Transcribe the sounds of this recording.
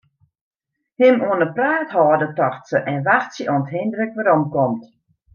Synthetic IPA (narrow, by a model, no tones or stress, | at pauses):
hɪmuənəpraːthɔːdətɔxtsəʔɛnʋaxsjəɔənəthendrəkʋaɾomkomt